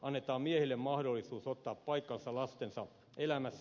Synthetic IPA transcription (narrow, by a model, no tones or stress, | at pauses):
ʔɑnːet̪ɑːmmiehilːemmɑhdolːisuːsot̪ːɑːppɑikːɑnsɑlɑst̪ensɑ | elæmæsː